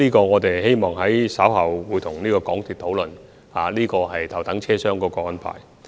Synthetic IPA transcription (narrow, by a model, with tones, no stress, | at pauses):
liː˥kɔː˧ŋɔː˨˧t̪e˨jhe˥jmɔː˨ŋɦɐ˨˥jsɐː˨˥whɐ˨˩wwuː˨˧jt̪ʰʊ˨˩ŋniː˥kɔː˧kɔː˨˥ŋt̪ʰiː˨t̪̚ʰo˨˥wlɵ˨n | haː˨liː˥kɔː˧ɦɐ˨jt̪ʰɐ˨˩wt̪ɐ˨˥ŋt͡ʃʰɛː˥sœː˥ŋkɔː˧˥kɔː˧ɐ˨˧˩npʰa̰ː˨˩j